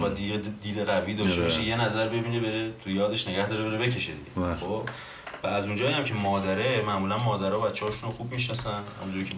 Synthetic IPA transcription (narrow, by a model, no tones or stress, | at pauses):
æd̪̚d̪ied̪iːd̪eɣæviːd̪ɒːʃt̪e̞ɒʃejenæzæɾbe̞biːnebeɾet̪ʰujɒːd̪e̞ʃne̞ɟæhd̪ɒːɾeeɾebe̞cʰe̞ʃed̪ḭɟexob̥ | væːzund͡ʒɒːijæmcʰe̞mɒːd̪æɾemæʔmuːlænmɒːd̪æɾɒːbæt̪t͡ʃːehɒːʃunoxubmiʃnɒsænhæ̰munt̪ʰoɾcʰe